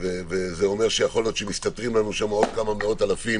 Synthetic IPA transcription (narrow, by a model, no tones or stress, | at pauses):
vevezeo̞me̞ʁʃejaχo̞ljo̞t̪ʃemist̪atʁimlanuʃamo̞d̪kamameo̞talafim